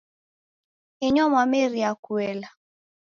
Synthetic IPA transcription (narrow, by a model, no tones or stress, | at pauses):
ɪɲɔmameɾjakwɛla